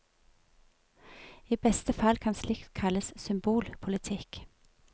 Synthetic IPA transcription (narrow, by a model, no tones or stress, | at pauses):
iːbɛst̪əfɑlkʰɑnslɪkt̪kʰɑləssʏmbuːlpʰʊlɪt̪ʰɪk